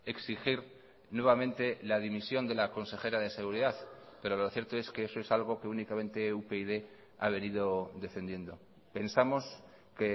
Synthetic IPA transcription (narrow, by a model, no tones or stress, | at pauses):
e̞ksixiɾ | nwe̞β̞amẽnt̪e̞laðimisjo̞nd̪e̞lako̞nse̞xe̞ɾaðe̞se̞ɣuɾiðaðpe̞ɾo̞lo̞θje̞ɾt̪oe̞skeesoesalɣ̞o̞ke̞unikamẽ̞nt̪e̞upeiðe̞ | a̰β̞e̞niðo̞d̪e̞fe̞nd̪je̞nd̪o̞ | pe̞nsamo̞s | ke̞